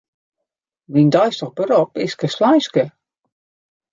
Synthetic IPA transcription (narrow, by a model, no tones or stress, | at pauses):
mindɔjstəxbəɾɔpɪskəslajskə